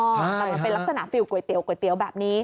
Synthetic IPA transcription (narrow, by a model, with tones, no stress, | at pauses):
aː˨˩˨fe˧la˦˥t̪a˧˩na̰ː˧˨˩fi˧wku˧˩ət̪ḭ˨˧˦wku˧˩˦jt̪i˧˩˦əwɓa̰ː˧˨m̚ni˧